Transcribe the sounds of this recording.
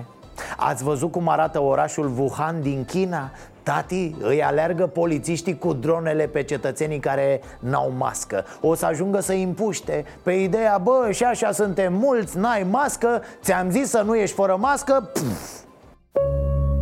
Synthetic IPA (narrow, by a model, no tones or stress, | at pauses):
a̰t̪sʲvəzut̪̚kumaɾat̪əo̞ɾaʃulvuhand̪iŋkʲina | t̪at̪iɨ̰ja̰learɡəpo̞lit̪siʃt̪ikud̪ɾo̞ne̞le̞pe̞t͡ʃe̞t̪ət̪se̞nijkaɾe̞ | na̰wma̰skə̰ | o̞səaʒuŋɡəsəimpuʃt̪e̞ | pe̞id̪e̞jabəʃiaʃasunt̪e̞mːult̪sʲnajmaskət̪sʲamzisːənuje̞ʃt̪ʲfəɾəmaskəpu